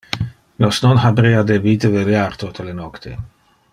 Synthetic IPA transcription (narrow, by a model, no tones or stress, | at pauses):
nosnonɦabɾeːad̪ebiːt̪eveljaɾt̪ot̪elenɔkt̪ʰe